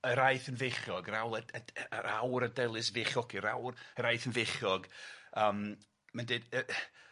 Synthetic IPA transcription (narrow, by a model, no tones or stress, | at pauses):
əɾajθənvɪχjɔɡɾawlˠəəɾawɾədɛlˠɨs̬vɪχjɔkʰiɾawrəɾajθənvɪχjɔɡəːm | mɛndɨdə